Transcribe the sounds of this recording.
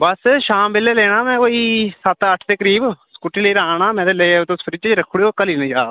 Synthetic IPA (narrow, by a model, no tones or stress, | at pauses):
bəsʃaːmbɪlːeːleːɽaːmɛ̃ːkoːiːsət̪əʈʰt̪eːkəɾiːbskʊʈiːləiːɾaːɳaːmɛ̃ːd̪eːlet̪õspʰɾit͡ʃɾəkʰːʊɽiokːəliːnẽːt͡ʃaː